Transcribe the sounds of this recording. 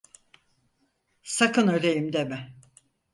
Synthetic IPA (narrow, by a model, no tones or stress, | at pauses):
sakɯnølʲejimd̪emɪ